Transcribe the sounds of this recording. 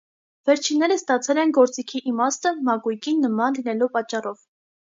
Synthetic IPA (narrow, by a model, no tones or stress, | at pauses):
vɛɾt͡ʃʰinːɛɾəst̪ɑt͡sʰɛlɛnɡɔɾt͡sikʰiʔimɑst̪əmɑkujkinːəmɑnlinɛlupɑt͡ʃːɑrɔv